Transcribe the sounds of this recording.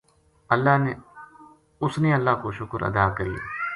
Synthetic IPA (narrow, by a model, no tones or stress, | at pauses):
əlːaːɦne | ʊsneɐlːaːkoʃʊkəɾɐ̰d̪aːkəɾijḛː